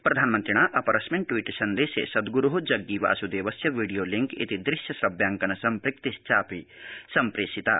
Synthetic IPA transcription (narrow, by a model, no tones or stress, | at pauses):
pɾɐd̪ʱaːnmɐnt̪ɾiɽ̃aːʔɐpɐɾɐsmẽɳʈʈwiːʈsɐnd̪eːsḛsɐd̪ɡuɾuɦud͡ʒɐɡːiʋa̰ːsud̪eːʋɐsjɐʋiːɽijoːliŋkḭt̪id̪ɾɪʃjɐsɾɐbjaːŋkɐnɐsɐmpɾɪk̚t̪ist͡ʃaːpisɐmpɾeːsit̪a̰ː